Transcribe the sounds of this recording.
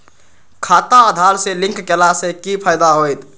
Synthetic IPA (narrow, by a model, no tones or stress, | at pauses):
kʰat̪aəd̪ʱalselĩŋkkelasekipʰajd̪aɦojt̪